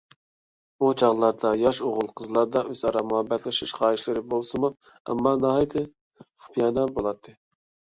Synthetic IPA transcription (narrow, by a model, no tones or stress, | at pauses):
ut͡ʃʰɑʁlˠɑɾd̪ɑjɑʃoʁʊlˠqʰəzlˠɑɾd̪ɑʔøz̥ɑɾɑmuhɛbːɛt̪ʰlɪʃiʃχɑːiʃlɪɾɪbolˠsɨmu | ɛ̰mːɑnɑhɑjt̪ʰɪ | χu̥pʰijɑnɑbolˠɑt̪ʰːɨ